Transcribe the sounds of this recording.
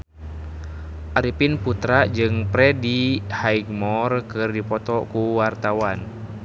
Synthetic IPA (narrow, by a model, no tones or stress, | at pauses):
ʔaɾipinput̪ɾad͡ʒɨŋpɾɛdihaiɡmɔrkɨrdipɔt̪ɔkuwart̪awan